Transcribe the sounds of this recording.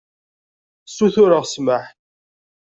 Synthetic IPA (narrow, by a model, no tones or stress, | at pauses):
sːuθʊɾəʁsməħ